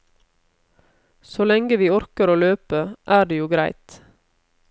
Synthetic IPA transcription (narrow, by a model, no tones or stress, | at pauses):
soːlɛŋɡəʋiːɔɾkəɾoːløːpəʔæːɖeːjuːɡɾæɪt̪